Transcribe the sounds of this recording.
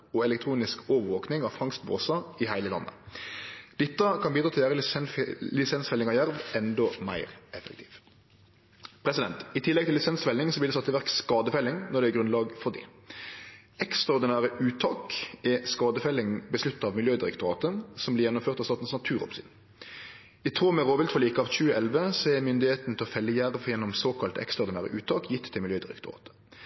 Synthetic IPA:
ɔɛlɛkt̪ʰɾuːnɪskɔːʋəʋoːknɪŋɑʋfɑŋst̪bo̰ːsɑɪhæɪləlɑ̰nːʔə̰ | d̪̥ɪt̪ːəkʰɑnbiːd̪ɾɑːt̪ɪlæːɾəllɪsɛnsfɛlːɪŋɑjæʁʋɛnd̪ɔmæ̰ɪʁɛfɛkt̪ʰiːʋ | pʰɾɛsɪd̪ɛnt̪ɪt̪ʰɪlːɛɡ̚t̪ɪlːɪsɛnsfɛlɪŋsɔblɪd̪ɛsɑt̪ːəʋæʁkskɑːd̪əfɛlɪŋnɔʁd̪ɛːɡʁʉnlɑːɡfɔʁd̪ḭː | ɛkst̪ʁɑɔʁd̪ɪnæːʁəʔʉːt̪ʰɑːkɛskɑːd̪əfɛlːɪŋbəslʉt̪ːɑʋmɪljøːd̪ɪɾɛkt̪ʊʁɑ̰ːt̪əsɔmblɪʁjɛnːɔmføːʁt̪ɑʋsɑːt̪n̩snɑt̪ʰʉːʁɔ̰psɪ̰n | ɪt̪ʰʁuːmɛʁoːʋɪlt̪fɔliːkəɑʋc͡çʉːəʔɛlʋəsɔɛmʏnd̪ɪheːt̪n̩t̪ʰɪlɔfɛlːəjæʁʋjɛnːɔmsoːkʰɑlt̪ɛ̰kst̪ʁɑɔʁɾd̪ɪnæːʁə̰ʔʉːt̪ʰɑːkjɪt̪ʰːɪlmɪljøːd̪ɪʁɛ̰kt̪ʊʁɑ̰ːt̪ə̥

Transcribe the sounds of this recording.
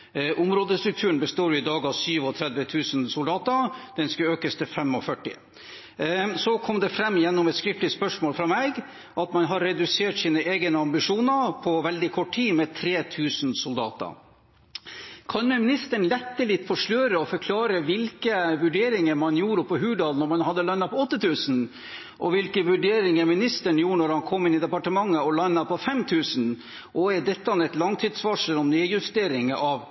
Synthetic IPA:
ʔʊmɾoːd̪əst̪ɾʉk̚t̪ʰʉːəɳbəst̪oːɾjʊɪd̪ɑːɡɑsyːʋɔt̪ʰɾɛd̪ʋət̪ʰʉːsnsʊld̪ɑːt̪əd̪̥ɛnskʉøːkəst̪ʰəfɛmɔfœʈːɪ̰ | sɔkʰɔmd̪ɛfɾɛmːjɛnːʊmɛt̪skɾɪft̪ɪt̪spœʂmoːlfɾɑmɛːɡ | ʔɑt̪mɑnɦɑɾːɛd̪ʉseːʈsiːnəʔeːɡənəɑmbɪʂuːnəpʰɔʋɛld̪ɪkʰɔʈʰːiːmɛt̪ʰɾeːt̪ʰʉːsnsʊld̪ɑ̰ːt̪ə̰ | kʰɑnmɛmɪnɪst̪əɳlɛt̪ːəlɪt̪ːfɔʂløːɾəɔfɔɾkʰlɑːɾəʋɪlkəʋʉɖeːɾɪŋəɾmɑnjuːɾəpʰɔɦʉːɖɑlnɔɾmɑnhɑd̪ːəlɑnɑpʰɔɔt̪ːət̪ʰʉːsn | ʔɔ̰ʋɪlkəʋʉɖeːɾɪŋəɾmɪnɪst̪əɳjuːɳɔɾhɑnkʰɔmːɪnːɪd̪ɛpɑʈəmɑŋːəɔlɑnːɑpʰɔfɛmt̪ʰʉːsn | ʔɔɛdɛt̪ːəɑnɛt̪lɑŋt̪ʰiːd̪sʋɑʂəlɔmnyːjʉst̪eːɾɪŋəʔɑʋ

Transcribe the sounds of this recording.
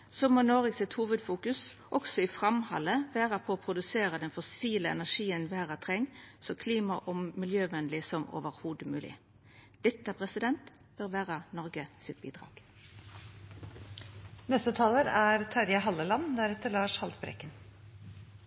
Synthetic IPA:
soːmoːnoːʁəɡsɪt̪huːʋəd̪fuːkʉsʔɔksɔɪfɾɑmhɑ̰lːəʋæːʁɑpʰɔːpʰɾʊd̪ʉseːɾəd̪ɛnfɔsiːləɛ̰næʂiːənʋæːʁɑt̪ʰʁɛŋːsɔkʰliːmɑʔɔmmɪljøːʋɛnlɪsɔmo̰ːʋəɾhuːd̪əmʉːlɪ̰ | d̪̥ɛt̪ːəpʰʁɛsɪd̪ɛnt̪ | b̥ɛɾʋæːʁənɔɾɡəsɪt̪̚bḭːd̪ʁɑ̰ːɡ̥ | nɛst̪ət̪ʰɑːləɾæɾt̪ʰɑɾjɑɦɑlːəlɑnd̪æɾɛt̪ːəɾɭɑːʂhɑlt̪bɾɛ̰kːən

